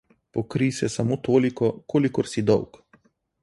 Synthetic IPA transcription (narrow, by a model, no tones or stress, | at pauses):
pɔkɾisɛsamot̪oːlikɔkʰoːlikɔɾsid̪ɔwk